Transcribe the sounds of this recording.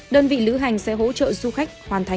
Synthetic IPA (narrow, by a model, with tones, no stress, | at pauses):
ɗəː˧nvḭ˧˨lɨ˨˦ɦa˨˩jŋ̟sɛ̰˧˥ɦo̰˧˥t͡ɕə̰ː˧˨zu˧xa˦˥jk̟̚hwaː˨˩nt̪ʰa˨˩